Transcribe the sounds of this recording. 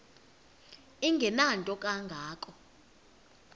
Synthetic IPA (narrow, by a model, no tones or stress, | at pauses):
iŋɡʱɛnantʼɔkʼaŋɡʱaːkʼɔ